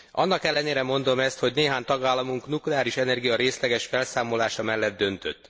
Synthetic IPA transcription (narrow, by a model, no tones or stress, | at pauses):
ʔɒ̰nːɒkɛlːɛneːɾɛmo̞nd̪o̞mɛst̪ho̞ɟneːɦaːɲt̪ɒɡaːlːɒmuŋknuklɛaːɾiʃɛnɛrɡijɒɾeːslɛɡɛʃfɛlsaːmo̞laːʃɒmɛlːɛd̪̚dːø̞nt̪ø̰t̪ː